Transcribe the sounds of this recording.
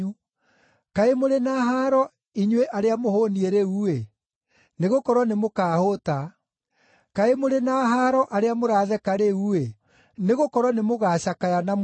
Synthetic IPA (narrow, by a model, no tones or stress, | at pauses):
u | kaemoɾenaɦaɾɔ | iɲweʔaɾeamohonieɾeue | neɣokɔɾwɔnemokaːhota | kaemoɾenaɦaɾɔʔaɾeamoɾaːðɛkaɾeue | neɣokɔɾwɔnemoɣaːɕakajanam